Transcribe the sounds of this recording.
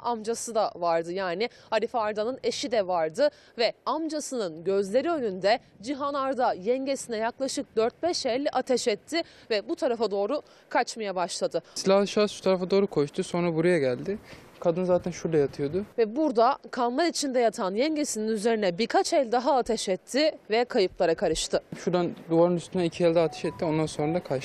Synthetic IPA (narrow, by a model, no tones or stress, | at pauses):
amd͡ʒasɯd̪avaɾd̪ɯjaːnɪhaɾifaːɾd̪anɯne̞ʃid̪ɛvaɾd̪ɯ | vɛamd͡ʒasɯnɯnɟø̞zlʲe̞ɾiø̞nynd̪ɛ | d͡ʒiɦanaɾd̪ajɛɲɟesinɛjaklˠaʃɯk̚d̪øɾt̪̚bɛʃɛlʲːʔat̪ʰɛʃɛt̪ʰːɪ | vɛbut̪ʰaɾafad̪o̞ːɾu | kʰat͡ʃmajabaʃlˠad̪ɯsilʲahlˠɯʃasʃu̥t̪ʰaɾafad̪o̞ːɾukʰo̞ʃt̪ʰuso̞nɾabuɾajaɟælʲd̪ɪ | kʰad̪ɯnzaːt̪ʰænʃuɾd̪ajat̪ʰɯjo̞d̪ʊvɛbuɾd̪akʰalˠmaɾit͡ʃʰind̪ɛjat̪ʰanjɛɲɟesininyze̞ɾinɛbiɾkʰat͡ʃɛlʲd̪aɦaːt̪ʰɛʃɛt̪ʰːɪvɛkʰajɯplˠaɾakʰaɾɯʃt̪ʰɯʃuɾd̪and̪uvaɾɯnyst̪ʰynɛicʰiɛlʲd̪ɛat̪ʰɛ̥ʃɛt̪ʰːio̞nd̪anso̞nɾad̪akʰa